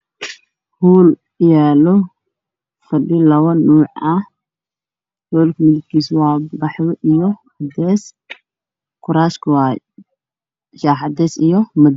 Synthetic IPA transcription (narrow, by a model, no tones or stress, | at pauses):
huːl | jaːlɔ | fɐɖɪlɐwɐnːuːʕɐ | hɔːlkʰmɪðɪɡ̪̚kʰiːswɑːbɑħjɔʔijɔ | ɐd̪ɛːs | kʰʊɾaːʃkʰʊwaːj | ʃaːħɑd̪ɛːsijɔmɐd̪